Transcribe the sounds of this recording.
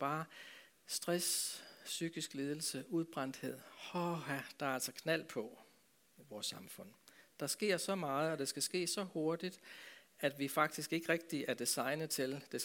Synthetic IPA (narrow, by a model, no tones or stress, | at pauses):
b̥ɑ̈ː | sd̥ʁɛssyɡ̥isɡ̥le̝ːð̞ˠl̩səuðˠb̥ʁɑn̰d̥he̝ð̞̰ˠhɒhæd̥ɑ̈æɐælsɒkʰnæl̰pʰɒ̽ | iʋɒːsːɑ̈mfɔ̽n̰d̥ɑ̈sɡ̥e̝ɐ̰sɒ̽mɑ̈ːð̞̩ˠɒ̽d̥e̝sɡ̥æsɡ̥e̝̰ːsɒ̽ho̝ɐd̥id̥æd̥ʋifɑ̈ɡ̥̚d̥isɡ̥e̝ɡ̥əʁɛɡ̥̚d̥iæɐd̥isɑ̈ɪnð̩ˠt͡sʰe̝ld̥e̝